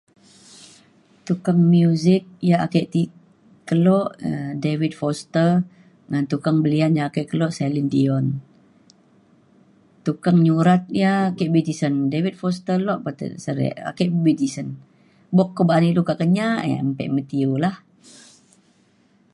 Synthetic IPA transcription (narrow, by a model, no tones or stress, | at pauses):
t̪ukaŋmjuzɪk̚jaakeʔt̪i | kəlɔʔdewit̪̚fɔst̪ər | ŋant̪ukaŋbəlianjaːkɛʔkəlɔʔsɛlindiɔn | t̪ukaŋɲuɾat̪̚jaːkeʔbit̪isəndewit̪̚fɔst̪əlɔʔpat̪ə̰səɾɛ̰ʔa̰kɛʔbit̪isən | bɔkːəbaniʔlukaʔkəɲaʔa̰mpɛ̰ʔmət̪iolah